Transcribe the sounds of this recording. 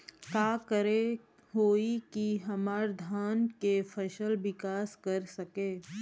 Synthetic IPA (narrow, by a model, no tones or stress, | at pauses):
kaːkəɾe | ɦoːikiɦɐmaːɾd̪ʱaːnkefʰɐʃəlʋɪkaːskɐɾsɐkeː